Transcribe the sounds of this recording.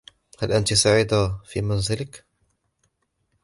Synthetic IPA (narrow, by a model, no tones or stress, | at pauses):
halʔant̪isaʕiːd̪afḭːmanzɪlɪk